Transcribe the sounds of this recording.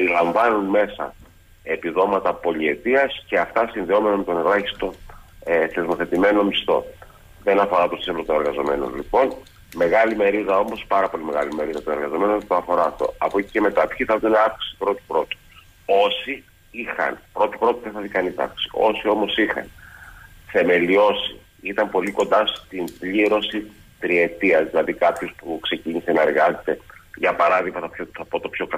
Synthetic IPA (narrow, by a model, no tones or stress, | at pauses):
ɾilɐɱvɐnunme̞sɐ̰ | e̞piðo̞mɐt̪ɐpo̞lie̞t̪iɐsce̞ɐft̪ɐsinðio̞me̞nɐmet̪o̞nlɐçi̥st̪o̞ | θe̞zmo̞θe̞t̪ime̞no̞mist̪o̞̰ | ðe̞nɐfo̞ɾɐt̪osiolot̪one̞ɾɣɐzo̞me̞no̰nlipo̞n | me̞ɣɐlime̞ɾiðɐo̞mo̞spɐɾɐpo̞lime̞ɣɐlime̞ɾiðɐt̪one̞ɾɣɐzo̞me̞not̪oɐfo̞ɾɐːft̪o̞̰ɐpo̞ce̥ce̞me̞t̪ɐpçiθɐðuneɐfksi̥si̥pɾo̞t̪i̥pɾo̞t̪u̥ | o̞si | ixɐ̰npɾo̞t̪i̥pɾo̞t̪iðeθɐθikɐnisɐ̰fki̥si̥ʔo̞sio̞mo̞sixɐ̰n | θe̞me̞lio̞si | it̪ɐmpo̞liko̞nd̪ɐst̪imbʎiɾo̞si | t̪ɾie̞t̪iɐzðilɐðikɐpço̞spukse̞ciɲise̞nɐe̞ɾɣɐze̞t̪e̞ʝɐpɐɾɐðiɣmɐθɐpçoθɐpot̪o̞pço̞k